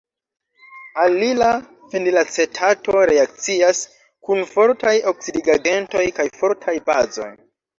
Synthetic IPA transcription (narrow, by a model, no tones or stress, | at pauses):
alila | fendilat͡se̞tʰato̞ɾe̞ak̚t͡sias | kunfo̞ɾtajo̞ksidiɡaɡe̞nto̞jkajfo̞ɾtʰajbazo̞̰j